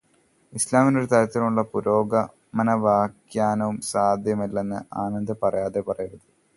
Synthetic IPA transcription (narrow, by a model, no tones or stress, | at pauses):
islaːmino̞ɾut̪ɐɾɐt̪ːilmuɭːɐpuɾo̞ːɡɐ | mɐnɐʋaːkjaːnɐʋumsaːd̪ʱjɐmilːenːɨʔaːnɐnd̪ɐpɐrɐjaːðe̞pɐrɐjunrɐðɨ